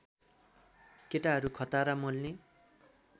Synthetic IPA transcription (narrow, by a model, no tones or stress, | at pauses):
keʈaɦʌɾukʰʌt̪aɾamʌlne